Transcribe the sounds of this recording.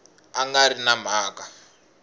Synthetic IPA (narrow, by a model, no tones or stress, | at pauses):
aŋɡaɾinam̤aːka